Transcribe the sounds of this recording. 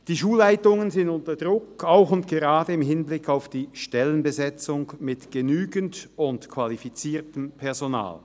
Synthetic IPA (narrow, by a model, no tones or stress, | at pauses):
d̥iːʃuːlːaɪtʊŋənzɪndʊntɐd̥ʁʊkaʊxʊntɡ̥eʁaːdəɪmɦɪnblɪkʰaʊfd̥iːʃtɛlənbəzɛt͡sʊŋmɪtɡ̥ənyːɡən̩tʊntkʰv̥alifit͡siːɐtəmpʰɛɐzona̰ːl